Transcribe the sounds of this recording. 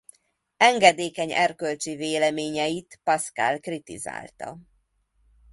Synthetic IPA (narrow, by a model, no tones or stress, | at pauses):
ɛŋɡɛd̪eːkɛɲɛrkølt͡ʃiveːlɛmeːɲɛjit̪pɒska̰lkrit̪ḭza̰ːlt̪ɒ̰